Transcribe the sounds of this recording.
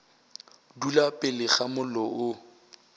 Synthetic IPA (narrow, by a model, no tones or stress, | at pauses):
dulapʼɪlɪχamʊlɔʔʊ